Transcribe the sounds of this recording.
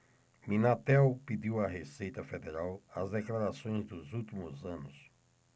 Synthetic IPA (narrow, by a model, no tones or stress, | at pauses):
minat̪ɛwpid̪iwɐɦesejt̪ɐfed̪eɾawɐzd̪eklaɾasõj̃zd̪ʊzuwt̪imʊzɐ̃nʊs